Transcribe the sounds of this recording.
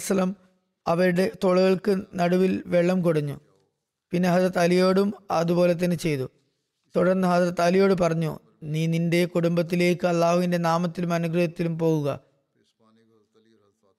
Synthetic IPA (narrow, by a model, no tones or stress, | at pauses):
sɐlɐm | ɐʋɐɾuɽe̞t̪oɭuɣɐɭkɨnɐɽuʋilʋe̞ɭːɐmkoɽɐɲːṵ | pinːe̞ɦɐðɐt̪ɐlijo̞ːɽumɐðupo̞ːlet̪̬ːɐnɨt͡ɕe̞jt̪u | t̪uɽɐrnːɨɦaːðɾɐt̪ɐlijo̞ːɽɨpɐrɐɲːṵ | niːninde̞kuɽumbɐt̪̬ːile̞ːkːɨɐlːaːhuʋinde̞naːmɐt̪ːilumɐnuɡrɨjɐt̪ːilumpo̞ːɣuɣɐ̰